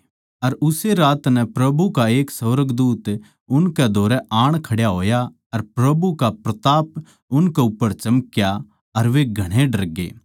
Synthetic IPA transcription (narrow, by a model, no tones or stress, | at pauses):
ɐɾʊseɾaːt̪nɛpɾɐbʱukaeːksɐʋɾəɡd̪uːt̪ | ʊnkɛd̪ʱoːɾɛʔaːɽ̃kʰɐɽjaɦoːja | ɐɾpɾɐbukapɾɐt̪aːp | ʊnkɛʊpːəɾt͡ʃɐməkja | ɐɾʋeɡʱɐɽ̃eɖɐɾɡḛː